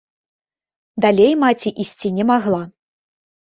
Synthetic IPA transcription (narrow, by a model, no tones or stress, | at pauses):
d̪alʲejmat͡sʲiʔisʲt͡sʲinʲɛmaɣlˠa